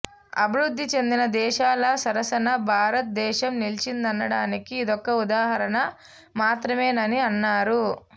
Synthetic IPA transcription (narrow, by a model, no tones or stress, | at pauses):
ɐ̰bʱiɾud̪ʱːit͡ʃe̞nd̪inɐd̪ɛːʃaːlɐsɐɾɐsɐnɐbʱaːɾɐt̪̚d̪ɛːʃɐmnilt͡ʃind̪ɐnːɐɽaːnikiːd̪ɔkːɐud̪aːɦɐɾɐnɐ | maːt̪ɾɐmeːnɐniɐnːaːɾu